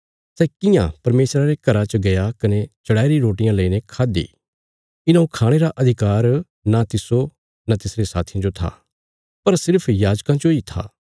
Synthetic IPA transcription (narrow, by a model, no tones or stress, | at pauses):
sɛkɪjã̰pɐɾmeːsɾaɾekɐɾat͡ʃəɡɐjakɐnet͡ʃɐɽaːiɾiɾoːʈɪjãləinekʰaːd̪ḭː | ɪnãũkʰaːɽ̃eɾaʔɐd̪ʱɪkaːɾ | nat̪ɪso | nat̪ɪsɾesaːt̪ʰijãd͡ʒot̪ʰa̰ː | pɐɾsɪɾpʰjaːd͡ʒkãd͡ʒoit̪ʰa̰ː